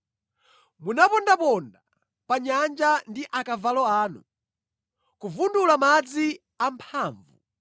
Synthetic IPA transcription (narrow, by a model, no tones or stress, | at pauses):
munapɔndapɔnda | paɲand͡ʒandiʔakavalɔaːnu | kuvundulamad͡zi | ampʰaːɱvu